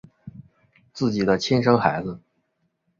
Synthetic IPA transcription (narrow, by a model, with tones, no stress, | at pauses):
t͡sɹ̩˥˩t͡ɕi˨˩d̪ə˦t͡ɕʰɛ˥nʂɤ˥ŋxa˧˥ɪd͡z̩˧